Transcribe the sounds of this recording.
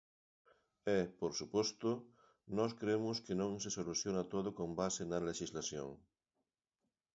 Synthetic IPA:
ɛpoɾsupost̪ʊ | nɔskɾeemʊskenõŋsesoluθjonat̪oðokombasenɐleʃizlasjo̰ŋ

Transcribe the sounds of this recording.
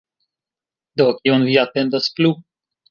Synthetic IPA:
d̪okjonviat̪ɛnd̪asplu

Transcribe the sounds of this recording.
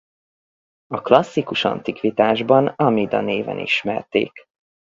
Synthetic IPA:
ɒklɒsːikuʃɒ̰nt̪ikʋit̪aːʒbɒnɒmid̪ɒneːvɛ̰nḭʃmɛrt̪ḛːk

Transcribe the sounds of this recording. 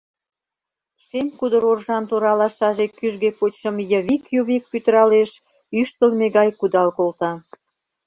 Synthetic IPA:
ʃemʲkud̪ə̆ɾorʒɑnt̪oɾɑlɑʃɑʒekyʒɡepot͡ɕʃə̆mjəβikjuβik̚pyt̪əɾɑleʃ | yʃt̪əlmeɣɑjkud̪ɑlkolt̪ɑ

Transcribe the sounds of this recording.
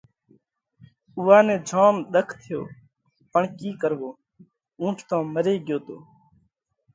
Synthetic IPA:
uːaːnɛ̃ːd͡ʒʱaːmɗ̪əkʰt̪ʰɪjo̰ː | pəɳkiːkəɾʋoː | ũːʈʰt̪ãːməɾeːɠjoːt̪oː

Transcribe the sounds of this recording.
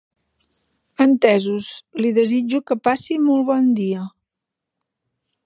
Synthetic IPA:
ənt̪ɛzusliðəzid͡ʒukəpasimɔlˠβɔnd̪iə

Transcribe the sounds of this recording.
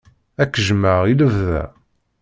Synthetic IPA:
ækːəʒəmːəʁiləvðæ̰

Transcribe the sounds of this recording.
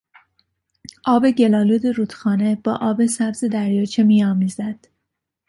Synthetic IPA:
ʔɒːbe̞ɟe̞lɒːluːd̪eɾuːt̪xɒːne̞b̥ɒːʔɒːbe̞sæbze̞d̪æɾjɒːt͡ʃʰemiːɒːmiːzæd̪̥

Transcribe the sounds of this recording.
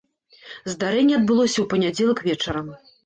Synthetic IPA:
zd̪aɾɛnʲːɛɐd̪̚bɨlˠɔsʲɐwpɐnʲad͡zʲɛlˠɐkvʲɛt͡ʂɐɾɐm

